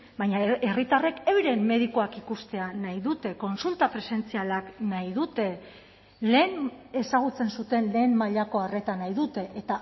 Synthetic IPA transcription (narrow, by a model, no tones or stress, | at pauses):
bajɲaerit̪are̞kewɾe̞mːe̞ð̞ikoakikust̪e̞anajðut̪e̞ko̞nsult̪apɾe̞se̞nt͡sialaknajðut̪e̞ | le̞ːne̞saɣ̞ut͡se̞nsut̪e̞nle̞ːmmaʎako̞are̞t̪anajðut̪e̞ʔet̪a